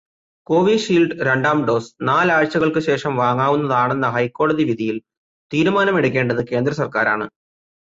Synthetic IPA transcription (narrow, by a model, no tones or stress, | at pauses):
ko̞ːʋiʂiːlɖɾɐɳɖaːmɖo̞ːsnaːlaːɻt͡ɕːɐɣɐɭkɨɕe̞ːʂɐmʋaːŋːaːʋunːɐðaːɳe̞nːɐɦɐjkːo̞ːɽɐðiʋiðʱijil | t̪iːɾumaːnɐme̞ɽuk̬ʲːe̞ːɳɖɐðɨke̞ːnd̪ɾɐsɐrkaːɾa̰ːɳɨ